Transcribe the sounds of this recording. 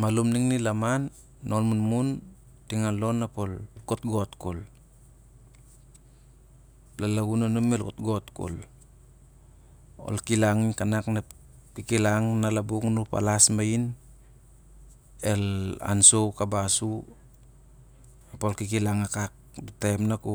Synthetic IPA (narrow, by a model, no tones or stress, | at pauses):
malumniŋnilamanː | ʔolmunmun | tiŋalonːapolkotɡotkol | lalaɡunanomelkotɡotko̰l | o̰lkilaŋinkanakna | kikilaŋnalabuknupa̰lasmain | ela̰nsowkabasu | apolkikilaŋakak̚dutemnaku